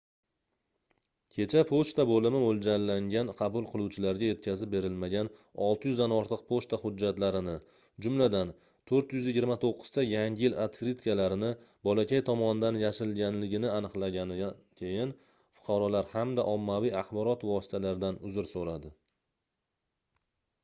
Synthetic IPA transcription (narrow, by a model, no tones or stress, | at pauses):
kʲʰe̞t͡ʃʰapʰoʃt̪abolɪmɪmold͡ʒallːaŋɡʲanqʰɑbʊlˠqʰɨlˠuwt͡ʃʰɪlaɾɡʲaje̞t̪̚kʲʰazɪp̚be̞ɾɪlmaɡʲanɒlˠt̪ʰɪjʏzd̪anɒɾt̪ʰɨq̚pʰoʃt̪ahʊd͡ʒːat̪laɾɪnɪ | d͡ʒʊmlad̪an | t̪ʰɵɾt̪jʏzjɪɡʲɪɾmat̪ʰoqːɨ̥z̥t̪ajaŋɡʲɪjɪlat̪ɾɪt̪kalaɾɪnɪ | bɒlakʲajt̪ʰɒmɒnɪd̪anjaʃɪlɡʲanlɪɡʲɪnɪanɨqlˠaɡʲanɪakʲʰejɪn | fʊ̥qʰɑɾɒlaɾhamd̪aʔɒmːavijaχbɒɾɒt̪vɒsɪ̥t̪ʰalaɾɪd̪anʊzɪɾsoɾad̪ɪ